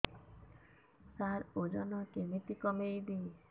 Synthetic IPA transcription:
saɾod͡ʒɔnɔkemit̪ikɔmejd̪i

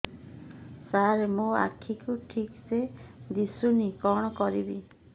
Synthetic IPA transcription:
saɾemũa̰kʰːikuʈʰiksed̪isunikɔɽ̃ɔkɔɾibi

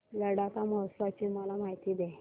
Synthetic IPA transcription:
ɡəɽak̪aməɦəsʋat͡ɕiːməlamaɦit̪iːd̪ɛ

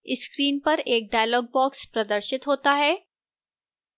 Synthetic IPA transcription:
ɪskɾiːnpɐɾeːk̚ɖaːjəlɔːɡ̚bɔːkspɾɐd̪əɾʃɪt̪ɦoːt̪aɦɛː

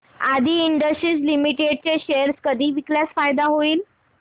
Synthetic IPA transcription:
ad̪ʱiːiɳɖəsʈɾiːt͡slimiʈeɖ̚t͡ɕeɕeəɾskəd̪ʱiːʋikljat͡sfajd̪aɦoiːl

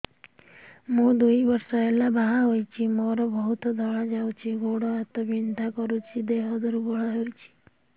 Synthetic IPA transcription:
mũd̪ujbɔɾsɔelabaɦaɦojt͡ʃʰimɔɾɔbɔɦut̪ɔd̪ʱɔɭad͡ʒawt͡ʃʰiɡoɽɔat̪ɔbind̪ʱakɔɾut͡ʃʰid̪eɦɔd̪ɔɾuɡɔɭaɦejt͡ʃʰi̥

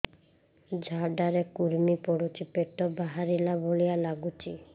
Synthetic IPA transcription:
d͡ʑʱaɖaɾekuɾmipoɽut͡ʃipeʈːobaɦaɾilabolijalaɡut͡ʃi

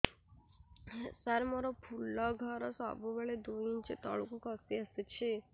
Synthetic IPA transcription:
saɾmɔɾɔpʰulːɔɡʱɔɾɔsɔ̰bɔbeɭed̪uint͡ʃit̪ɔ̰ɭukukɔsiaset͡ʃʰe

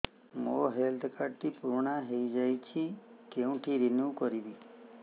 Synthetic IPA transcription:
moɦelt̪ʰkaɖt̪ipuɾɳãɦeid͡ʒajt͡ʃʰikeũʈʰiɾɪnukɔɾiʋi

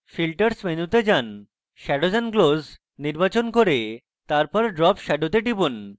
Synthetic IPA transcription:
filʈəɾsmenut̪ed͡ʑan | ʃɛɖod͡ʑanɡloz | niɾbat͡ɕonkoɾe | t̪aɾpɔɾɖɾɔpʃɛɖot̪eɖibun

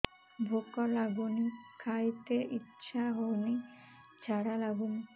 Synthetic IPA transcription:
bʱokɔlaɡunikʰajt̪eʔitːʃʰaɦowni | t͡ʃʰaɽalaɡuni

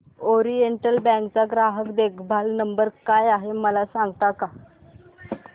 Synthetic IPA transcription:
oɾieɳʈəlbɛ̃ŋkt͡saɡɾaɦəkd̪ekʰbʱalnəmbəɾkajaɦeməlasãŋɡt̪aka

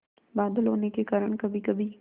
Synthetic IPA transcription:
baːd̪əlɦoːnekekaːɾəɳ̃kɐbʱikɐbʱi

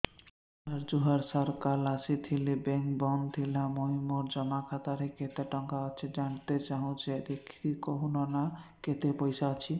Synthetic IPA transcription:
aɾd͡ʒuɦaɾsɔɾkalasit̪ʰilibɛŋkbɔnt̪ʰilamoɦimoɾd͡ʒɔmakʰat̪aɾeket̪eʈɔŋkaɔt͡ʃʰid͡ʒaɳt̪et͡ʃaɦũt͡ʃed̪ekʰikoɦunɔnaket̪epɔjsaat͡ʃʰi

